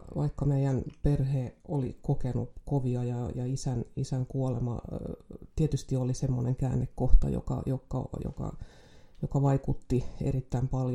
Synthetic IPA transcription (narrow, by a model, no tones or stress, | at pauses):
ʋɑ̰ikːɑmeiænperheːolḭkokenṵkoʋiɑjɑjɑisænisæŋkuolḛmɑ̰ | t̪iet̪yst̪iolisemːoneŋkæːnːekkoht̪ɑ̰jo̰kɑ̰jokːɑjo̰kɑ̰ | jokɑʋɑikut̪ːiḛrit̪ːæimpɑlj